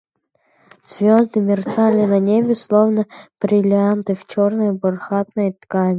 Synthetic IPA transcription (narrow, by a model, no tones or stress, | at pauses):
z̥vʲozd̪ɨmʲɪrt̪salʲɪnɐnʲebʲɪslˠovnəb̥ɾʲɪlʲɪant̪ɨft͡ɕornəjbʊrxat̪̚nəjt̪kanʲ